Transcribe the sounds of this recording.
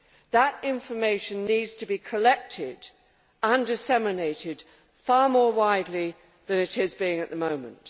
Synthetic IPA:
ðəɾɪ̃ɱfə˞meɪʃɨ̃nːidz̥tʰɨbikʰəlɛk̚tʰɪd | ə̃ndɨsɛmɨneɪɾɪd̥ | fɑɹmɔɹwaɪdˡli | ðɨ̃nɨɾɪzbiɪ̃ŋɨt̪̚ðəmõʊ̃mə̰̃nt

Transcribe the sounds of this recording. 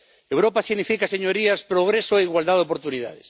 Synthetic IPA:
ewɾopasiɣnifikaseɲoɾiaspɾoɣ̞ɾesoeiɣwald̪aðop̬oɾt̪unið̞a̰ðes

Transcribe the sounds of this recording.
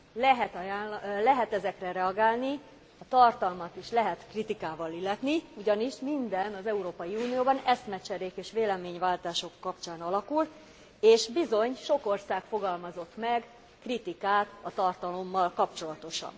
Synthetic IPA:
lɛɦɛt̪allɛɦɛt̪ɛzɛkrɛɾɛɒɡaːlni | ɒt̪ɒrt̪ɒlmɒt̪iʃlɛɦɛt̪krit̪ikaːvɒlilːɛt̪niuɟɒniʃmind̪ɛnɒzɛuɾoːpɒjiuːnijoːbɒnɛsmɛt͡ʃɛɾeːkeːʃʋeːlɛmeːɲvaːlt̪aːʃo̞kːɒpt͡ʃaːnɒlɒkul | eːʃbizo̞ɲʃo̞ko̞rsaːkfo̞ɡɒlmɒzo̞t̪mɛɡ | krit̪ikaːt̪ɒt̪ɒrt̪ɒlo̞mːɒlkɒpt͡ʃo̞lɒt̪o̞ʃɒ̰n

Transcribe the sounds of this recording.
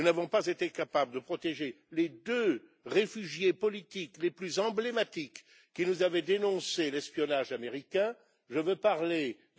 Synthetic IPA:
nunavɔ̃pazet̪ekapabləd̪əpχɔt̪eʒe | led̪ø | ʁefyʒjepɔlit̪ikleplyzɑ̃blemat̪ikː | inuzavɛd̪enɔ̃selɛspjɔnaʒameʁikʲɛ̃ | ʒəvøpaʁle

